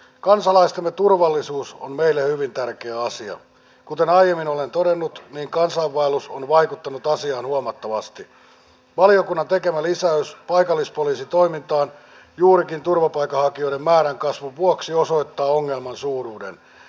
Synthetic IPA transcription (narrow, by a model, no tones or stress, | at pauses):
kɑnsɑlɑist̪emːet̪urʋɑlːisuːso̰nmeilːehyʋint̪ærkeæɑsiɑ̰ | kut̪enɑjjemːinolent̪odenːut̪niːŋkɑnsɑːʋːɑeluso̰nʋɑikut̪ːɑnut̪ɑsiɑːnhuɑmɑt̪ːɑʋɑst̪i | ʋɑliokunːɑnt̪ekemælisæyspɑikɑlːispoliːsit̪o̞imint̪ɑːn | juːɾikint̪urʋɑpɑikːˑɑhɑkioidemmæːɾæŋkɑsʋuʋuoksiosoit̪ːɑːoŋːelmɑnsuːruːdḛn